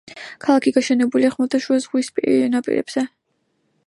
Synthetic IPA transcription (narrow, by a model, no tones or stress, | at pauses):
kʰalˠakʰiɡaʃɛnɛbuliaχmɔt̪ʰaʃuazʁwispʼḭɾnapʼḭɾɛ̰b̥z̥ɛ